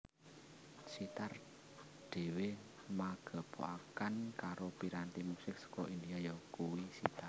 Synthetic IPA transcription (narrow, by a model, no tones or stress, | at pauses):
sit̪ar | ɖ̪̥e̤we | maɡ̥a̤b̥o̰akankaɾopiɾant̪imusɪk̚sə̥kɔind̪ijajɔkuwisit̪ar